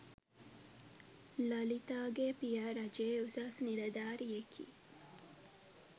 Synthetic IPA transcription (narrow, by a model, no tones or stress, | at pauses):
lɐlit̪aːɡepijaɾɐd͡ʒeːusasnilɐd̪aːɾjekʰḭː